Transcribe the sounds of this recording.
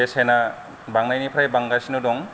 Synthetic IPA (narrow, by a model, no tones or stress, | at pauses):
esena | baŋnajnipʰɾajbaŋɡasinudɔŋ